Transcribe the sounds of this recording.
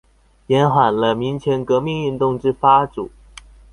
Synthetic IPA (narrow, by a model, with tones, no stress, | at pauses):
jɛ˧˥nxwa˨˩nlə˦mi˧˥ŋt͡ɕʰjɛ˧˥nkɤ˧˥mi˥˧ŋy˥˧nt̪ʊ˥˧ŋʈ͡ʂɻ̩˥fa˥ʈ͡ʂu˨˩˦